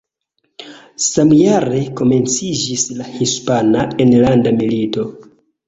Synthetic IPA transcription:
samjaɾe̞ko̞me̞nt͡sid͡ʒislahispanaenlandamilito̞

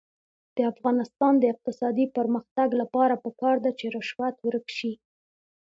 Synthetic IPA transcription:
d̪̥əafɣɑnɪst̪ɑnd̪əɪq̚t̪ɪsɑd̪ipəɾməxt̪aɡlapɑɾapəkɑɾd̪at͡ʃeɾəʃwat̪wəɾəkʃi

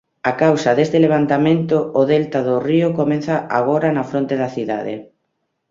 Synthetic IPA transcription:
akawsaðest̪eleβ̞ant̪amẽnt̪oːðelt̪aðʊriokomẽnθaʔaɣ̞oɾanafɾont̪eðaθiða̰ðḛ

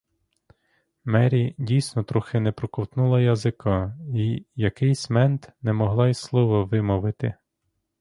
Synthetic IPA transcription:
mɛɾʲidʲijsʲnɔt̪ɾʊxɪnɛpɾɔkɔwt̪nulˠɐjɐzɪkɔijɐkɪjsʲmɛnt̪nɛmɔɦlˠɑislˠɔʋɔʋɪmɔʋɪt̪ɪ

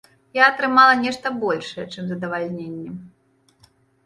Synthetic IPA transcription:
jaɐt̪ɾɨmalˠɐnʲɛʂt̪ɐbɔlʲʂɐjɛt͡ʂɨmzɐd̪ɐvalʲnʲenʲːɛm

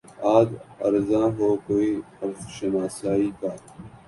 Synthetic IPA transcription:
aːd̪ɐ̰ɾzãːɦoːkoːiː | ɐɾzʃənaːsaːiːkaː

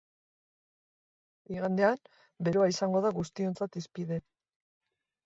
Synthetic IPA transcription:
iɣand̪e̞an | be̞ɾo̞aisaŋɡo̞ðaɣust̪io̞nt͡sat̪ispiðe̞

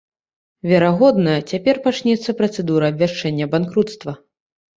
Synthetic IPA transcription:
vʲɛɾaɣɔd̪nɐjɐt͡sʲapʲɛrpat͡ʂnʲɛt̪sːɐpɾɐt̪sɛd̪uɾɐːbʲvʲaʂt͡ʂɛnʲːɐbankɾut̪st̪vɐ

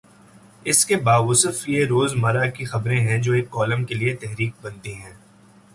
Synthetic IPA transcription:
ɪskebaːʊsəfjeɾoːzmɐɾakixɐbɾẽɦɛ̃d͡ʒoːeːkːɔːləmkeliet̪ɛɦɾiːk̚bɐ̃nt̪iɦɛ̃ː

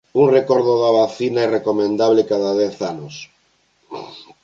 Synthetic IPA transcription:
uŋrekoɾðoðaβaθinairekomẽnd̪aβlekaðaðɛθanos

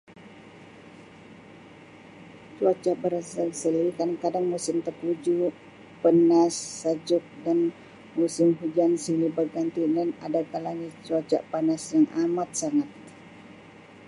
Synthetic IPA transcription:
t͡ʃuat͡ʃaʔbəɾasasilikadaŋkadaŋmusɪmt̪əkud͡ʒu | pənasːad͡ʒʊk̚dan | musɪmɦud͡ʒansilibaɡant̪idana̰dakalaŋit͡ʃuat͡ʃa̰ʔpanasjaŋʔamat̪̚saŋat̪̚

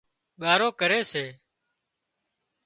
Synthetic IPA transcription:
ɠaːɾoːkəɾeːseː

